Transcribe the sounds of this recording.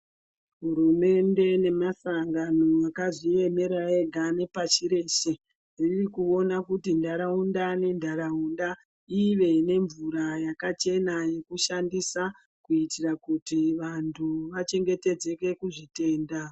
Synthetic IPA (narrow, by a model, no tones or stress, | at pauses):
ɦuɾume̞nde̞ne̞masaŋɡano̞akaʐie̞me̞ɾae̞ɡʱane̞pat͡ʃiɾe̞ːʃe̞ | ririkuo̞nakutindaɾaundane̞ndʱaɾaunda | iʋe̞ne̞ɱvuɾajakat͡ʃe̞naje̞kuʃandisa | kuitirakutiʋantʰuʋat͡ʃe̞ŋɡe̞te̞d͡ze̞ke̞kuʐite̞ːnda